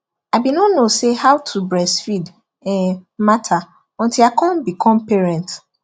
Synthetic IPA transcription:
aɪbinɔnosehawtʰubɹɛsfid | ɛmatʰa | ɔ̃ntilakʰɔ̃nbikʰɔ̃mpɛɹɛ̃nt

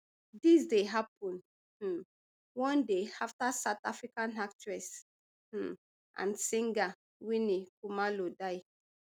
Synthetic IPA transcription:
disdeɦapɔ̃n̩ | wɔ̃ndeaftasatafɹikãnaktɹɛs̩ | ʔã̰nsĩŋɡa | winikumalodaj

